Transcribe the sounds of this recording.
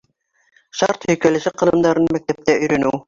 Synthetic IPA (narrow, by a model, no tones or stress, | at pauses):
ʃɑɾt̪hɵ̆jkælɘ̆ʃɘqɤ̆lˠɤ̆md̪ɑɾɤnɤmæk̚t̪æp̚t̪æʔɵ̆jɾænɘw